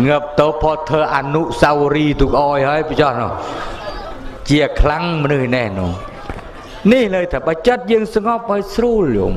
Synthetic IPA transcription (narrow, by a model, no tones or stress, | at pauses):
ŋɨp̚t̪oːpʰɔːt̪ʰːəːʔaːnuʔsawɾiːt̪ukʔaːjhaəjpt͡ɕɑhnɔ̰h | t͡ɕiəkʰlaŋmənɨhnehnɔːŋ | nihləːjt̪ʰaːɓat͡ɕət̪̚jəːŋsŋɑp̚ʔaəjsruːljo̰ːm